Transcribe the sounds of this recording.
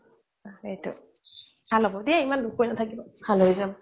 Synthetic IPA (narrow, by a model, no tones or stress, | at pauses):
aetɔ̰ | bʰʱalɔbɔdiaimanlukʰojnatʰakibɔbʰʱaljzam